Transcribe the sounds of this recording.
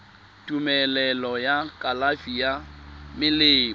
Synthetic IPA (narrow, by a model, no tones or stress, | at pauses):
tʼumɛlɛlɔjakʼalafijamɪlɪː